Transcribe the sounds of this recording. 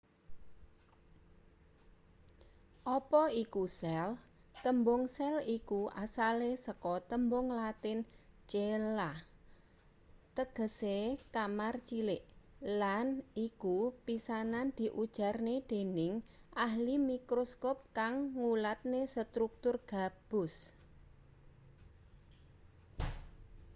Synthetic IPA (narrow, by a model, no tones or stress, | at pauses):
ʔɔpɔikusɛl | t̪əmbʊŋsɛlikuasalesəkɔt̪əmbʊŋlat̪ɪnt͡ʃelah | t̪əɡ̥ə̤sekamart͡ʃilɪʔlanikupisanand̪̥i̤ʔud̥ʒ̥a̤rned̪̥e̤nɪŋ | ʔaɦlimikɾoskɔp̚kaŋːulat̪̚nesət̪ɾuk̚t̪ʊrɡ̥a̤b̥ʊs